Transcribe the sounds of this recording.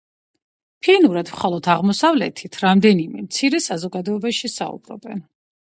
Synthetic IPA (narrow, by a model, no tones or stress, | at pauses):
pʰinuɾad̪mχalˠɔt̪ʰaʁmɔsavlɛ̰t̪ʰit̪ʰɾamd̪ɛnimɛ̰mt̪sʰiɾɛsazɔɡad̪ɔɛbaʃisa̰ṵbɾɔ̰bɛ̰n